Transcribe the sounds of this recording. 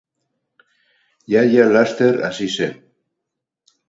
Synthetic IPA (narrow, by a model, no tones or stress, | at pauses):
jajalast̪eɾa̰sisen